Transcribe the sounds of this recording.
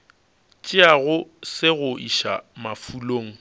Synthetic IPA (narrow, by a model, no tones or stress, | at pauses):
t͡ʃʼɪaɣʊsɪɣʊʔiʃa̰mafuloːŋ̩